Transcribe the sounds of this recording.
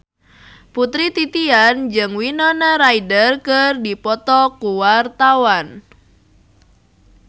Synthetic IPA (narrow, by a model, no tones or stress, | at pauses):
put̪ɾit̪it̪iand͡ʒɨŋwinɔnaɾaidərkərdipɔt̪ɔkuwart̪awan